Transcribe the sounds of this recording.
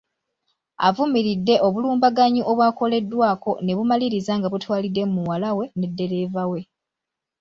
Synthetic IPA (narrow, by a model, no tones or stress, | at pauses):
a̰vumiɾidːe̞ʔo̞βuluːmbaɡaɲiʔoβwaːko̞le̞dːwaːko̞ne̞βumaliɾizaŋɡaβutwaːlidːe̞mmuwalawe̞ne̞dːe̞ɾe̞ːvawe̞